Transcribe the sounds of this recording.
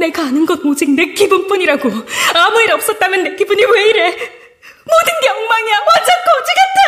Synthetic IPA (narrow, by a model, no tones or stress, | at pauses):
neɡaanɯnɡʌt̚mod͡ʑik̚nɯk͈ːibunp͈uɲiɾaɡoamueɾʌp̚s͈ʌt̚t͈amjʌnːek͈ːibuɲiweiɾe | modɯnɡeʌŋmaŋijakwʌnd͡ʑank͈ʰod͡ʑiɡat͈ʰa